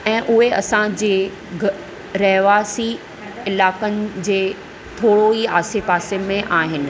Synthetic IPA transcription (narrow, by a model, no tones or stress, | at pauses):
ɛ̃ːʔʊɦeɐsãd͡ʑeː | ɡ | ɾɛɦʋaːsi | ɪlaːkənɪ̆d͡ʑeː | t̪ʰoːɽoiaːsepaːsemẽʔaːɦɪnɪ̆